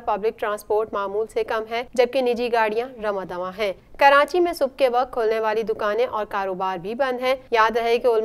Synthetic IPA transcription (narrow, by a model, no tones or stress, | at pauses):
pɐblɪk̚ʈɾãːspoːɾʈmaːmuːlsekɐmɦɛd͡ʒɐb̚kinɪd͡ʒiɡaːɽijãɾɐmãd̪ɐʋãɦɛ̃ːkɐɾaːt͡ʃimẽsʊb̚keʋɐkt̪̚kʰoːlneʋaːlid̪ʊkaːnẽʔɔːɾkaːɾoːbaːɾbʱibɐ̃nd̪ɦɛ̃jaːd̪ɾɐɦekeʊl